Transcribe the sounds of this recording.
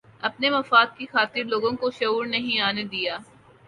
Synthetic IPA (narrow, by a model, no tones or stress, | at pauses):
ɐpnemɐfaːd̪̚kixaːt̪ɪɾloːɡõkoʃɐuːɾnɐɦĩaːned̪ijaː